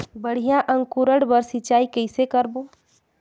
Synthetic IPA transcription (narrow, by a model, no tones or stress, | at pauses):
bəɽ̤ijaʔɐ̃ŋɡkuːɾəɽbəɾsɪt͡ʃaːikɛɪsekəɾboː